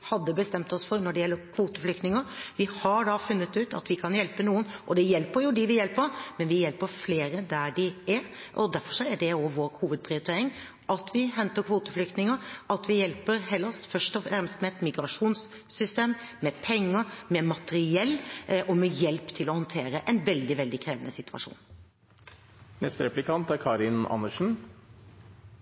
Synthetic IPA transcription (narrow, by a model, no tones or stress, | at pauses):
hɑd̪ːəbəst̪ɛmt̪ɔsfɔɾnɔɖɛjɛlːəɾkʰʋuːt̪əflʏk̚t̪nɪŋəɾʋɪhɑɾɖɑfʉnːət̪ʉːt̪ɑ̰t̪ʋɪkʰɑnjɛlpənuːənʔɔd̪ɛjɛlpəɾjʊd̪ɪʋɪjɛlpəɾmɛnʋɪjɛlpəɾfleːɾəd̪æɖɪæɾʔɔd̪æɾfɔ̥ʂɔæɖɛɔʋoːɾhuːʋəd̪̚pʰɾɪʊɾɪt̪ʰeːɾɪŋ | ʔɑt̪ʰʋɪɦɛnt̪əɾkʰʋuːt̪əflʏk̚t̪nɪŋəɾʔɑt̪ʋɪjɛlpəɾɦɛlːɑsfœʂʈɔfɛmst̪əmɛt̪mɪɡɾɑʂuːnsː | ʏst̪eːmːɛpʰɛŋːəɾmɛmɑt̪əɾɪɛlːʔɔmɛjɛlpt̪ʰɪlɔhɔnt̪ʰeːɾəʔɛnʋɛld̪ɪʋɛld̪ɪkʰɾeːʋənʔəsɪt̪ʉ̥ɑ̰ʂṵːn | nɛst̪əɾɛplɪkʰɑnt̪æɾkʰɑːɾɪnɑ̰nːəʂn̩